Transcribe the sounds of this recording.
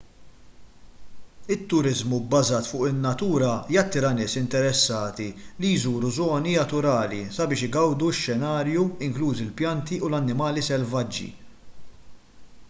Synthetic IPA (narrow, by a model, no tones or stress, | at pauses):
ɪt̪ːʊɾɪzmubːɐzɐːt̪fʊːʔɪnːɐt̪uːɾɐjɐt̪ːɪːɾɐnɪːsɪnt̪ɛɾɛsːɐːt̪ilijzuːɾuzɔːniɐt̪ʊɾɐːlḭsɐbɪːʃɪɡɐwd̪uʃːɛnɐːɾjuɪŋkluːzɪlpjɐnt̪iʔulɐnːɪmɐːlisɛlvɐd͡ʒːḭ